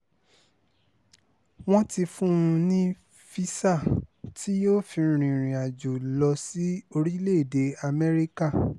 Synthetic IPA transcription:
w̃ɔ̃˦ti˧fũ˦˧nĩ˦ | fi˦sa˦˨tʰi˨˦jo˦fĩ˧ɾ̃ĩ˨ɾ̃ĩ˨a˨d͡ʒo˨lɔ˧si˨˦o˧ɾi˦le˦˨de˨˦a˧mɛ˦ɾi˦ka˦˨

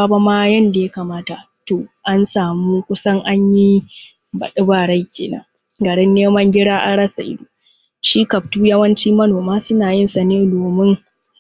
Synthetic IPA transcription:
a˦ba˦maː˦jɐ˦nda˨ja˦ka˨maː˦ta˨ | toː˨ʔa˦nsaː˨muː˦kʷʊ˦sɐ˦ŋʔa˦ɲji˦ | bɐ̰˨ɗɪ˦baː˨ɽa˦jkʲeː˨nɐ̰˦ŋ | ɡɐ˨ɽɪ˦nːeː˦mɐ˦ŋɡʲɪ˦ɽaː˦ʔa̰˨ɽɐ˦sa̰˨ʔɪ̰˦duː˨ | ʃi˦kɐ˨p̚tuː˦jɐ˦wɐ˦nt͡ʃiː˦mɐ˦noː˨maː˦sʊ˦naː˨jɪ˦nsɐ˨neː˦doː˨mɪ˦ŋ

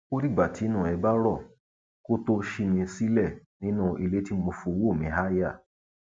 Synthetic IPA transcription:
ko˦ɾi˦˨ɡ͡ba˨tʰi˨˦nũ˦˨ɛ˧ba˦ɾɔ˦˨ | ko˦to˦ʃi˦˧mĩ˧si˦lɛ˦˨nĩ˦nũ˦˨i˧le˦ti˦mo˧fo˧wo˦˨mĩ˨˦ɦa˦ja˦˨

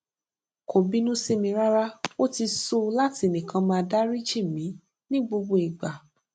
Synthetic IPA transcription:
ko˨bi˨˦nũ˦se˧mĩ˧˦ɾa˦ɾa˦o˦ti˧so˦la˦ti˧˦e˨nĩ˨kã˧˦mãː˧da˦ɾi˦d͡ʒe˦˨mĩ˨˦ | nĩ˦ɡ͡bo˧ɡ͡bo˧i˨ɡ͡ba˨

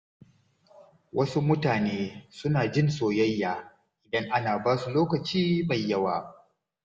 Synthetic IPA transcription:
wʔɐ˦su˦mʊ˦taː˨neː˦sʊ˦naː˨d͡ʒɪ˦nsoː˨jɐ˦jːaː˨ | ʔɪ˨dɐ˦ŋʔa˦naː˨baː˦su˨loː˦kɐ˨t͡ʃiː˦ma˨jːɐ˦waː˨

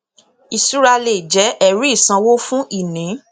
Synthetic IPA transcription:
i˨su˦ɾa˧le˨d͡ʒɛ˨˦ʔɛ˦˨ɾi˦˨sã˧wo˦fũ˦ʔi˦˨nĩ˨˦

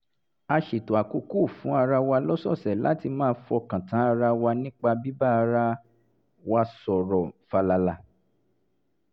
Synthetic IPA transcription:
a˧ʃi˨to˨a˨ku˧˦ku˦˨fũ˨˦a˧ɾa˧wa˧lɔ˦sɔ˦˨sɛ˨la̰˦ti˧mãː˦˧fɔ˧kã˨tã˨˦a˧ɾa˧wa˧nĩ˦k͡pa˧bi˦ba˦a˧ɾa˧ | wa˧sɔ˨ɾɔ˨fa˧la˧la˧˨

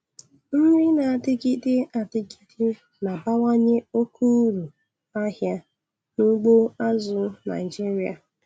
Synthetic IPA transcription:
n̩˦ɾɪ˦na˨a˨tɪ˦ki˦dɪ˦a˨tɪ˦ki̥˦dɪ˦ | na˨ba˦wa˦ɲe˦o˦kʰu˦ɾu˨ | a˦ɦja˦ | nu˦ɡ͡bo˦a˦zʊ˨na̰˨ɪ˨d͡ʒi˦ɾi˨˦a̰˨

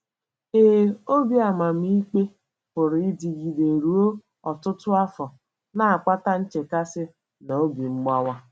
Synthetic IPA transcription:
eː˦˨˦o˦bi˦a˨ma˨m̩˦i˦k͡pe˦ | pʊ˨ɾɪ˦di˨ɡi˨de˨ɾu˨o˦ | ɔ˨tʊ˦tʊ˦a˦fɔ˨ | na˨a˨k͡pa˦ta˦n̩˦t͡ʃe˨ka˦sɪ˦ | na˨o˦bi˨ŋ͡m̩˦ɡ͡ba˦wa˦

